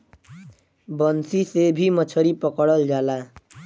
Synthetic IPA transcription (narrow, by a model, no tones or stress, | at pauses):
bʌnsisebʱimʌt͡sʰʌɾipʌkɔɽʌld͡zala